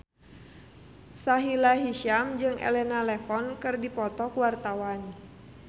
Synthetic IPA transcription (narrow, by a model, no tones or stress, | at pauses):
saɦilaɦiʃamd͡ʒɨŋʔḛlɛnalɛfɔnkɨrdipɔt̪ɔkwart̪awan